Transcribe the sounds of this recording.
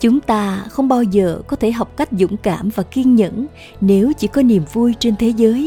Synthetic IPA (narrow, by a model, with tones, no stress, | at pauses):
t͡ɕʊ˨˦ŋ͡mt̪aː˧xə˧wŋ͡mɓaː˧wzəː˨˩kɔ˨˦t̪ʰe˧˩ɦa˨˩wk͡p̚ka˦˥jk̟̚zʊ̰˧˥ŋ͡mkaː˧˩mvaː˨˩ki˧ənɲə̰˧˥n | ne˨˦wt͡ɕḭ˧˩kɔ˨˦ni˨˩əmvu˧jt͡ɕe˧nt̪ʰe˨˦zəː˨˦j